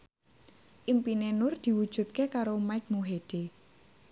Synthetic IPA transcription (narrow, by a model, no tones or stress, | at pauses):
ʔimpinenʊrd̪̥i̤wud̥ʒ̥ṳt̪̚kekaɾomajk̚muɦeɖ̪̥e